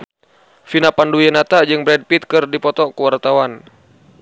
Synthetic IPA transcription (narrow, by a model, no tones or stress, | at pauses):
finapandujɛnat̪ad͡ʒɨŋbɾɛd̚pit̪̚kɨrdipɔt̪ɔkəwart̪awan